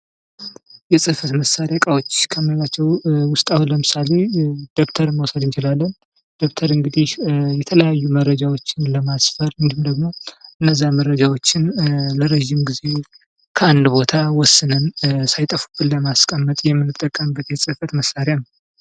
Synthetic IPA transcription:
jɛsʼɨfət̪məsaɾjakʼawot͡ʃːkʰəməlat͡ʃːɛwwʊst̪ʼawuləmɨsale̞d̪̥o̞kt̪ʰəɾməwsəd̪ɨnt͡ʃɪlalːən | d̪̥o̞kt̪ʰəɾɨŋɡɨd̪ihjɛt̪ʰələjajːumərːəd͡ʒawot͡ʃːɪnləmasfəɾɨnd̪ihumd̪əɡmo̞ʔɨnːəzːamərəd͡ʒawot͡ʃːɪnləɾeʒimɡize̞ | kʰəand̪bo̞t̪ʰawɔsːɨnənsajt̪ʼəfu̥bɨnləmaskʼəmːət̪ʼjɛmːɨnːɨt̪ʼːəkʼːəmbːət̪jɛsʼɨhfət̪məsːaɾjanəw

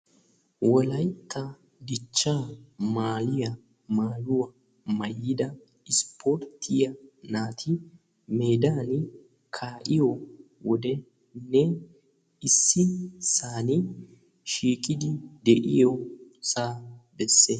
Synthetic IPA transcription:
wɔlɐjt̪ʰːɐ | d̪ɪt͡ʃːamaːlɪjɐ | maːjʊwɐ | mɐjːɪd̪ɐ | ɪspʰoɾt̪ʰːɪjɐnaːt̪ʰɪ | me̞ːd̪aːn | kʰaːʔɪjɔ | wɔd̪ɛ | nɛ | ɪsːɪsaːnɪ | ʃiːkʼɪd̪ɪd̪ɛʔɪjɔsaːbɛsːe

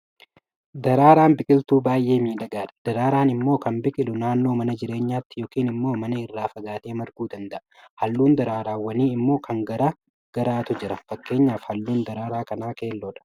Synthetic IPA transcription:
d̪ɐɾaːɾaːnbɪkʼɪlt̪uːbaːjʔːe̞ːmiːᶑ̪ɐɡaːᶑɐ̥d̪̥ɐɾaːɾaːnɪmːo̞ːkɐnbɪkʼɪlʊnaːnːoːmɐnɐd͡ʒɪɾe̞ːɲːaːt̪ːɪ̥joːkiːnɪmːo̞ːmɐnɐɪrːaːfɐɡaːt̪e̞ːmɐɾɡuːd̪ɐnd̪ɐʔɐ | hɐlːuːnd̪ɐɾaːɾaːwːɐniːɪmːo̞ːkʰɐŋɡɐɾaː | ɡ̥ɐɾaːt̪ʊd͡ʒɪɾɐfɐkːe̞ːɲːaːfhɐlːuːnd̪ɐɾaːɾaːkɐnaːke̞ːlːoːᶑɐ̥

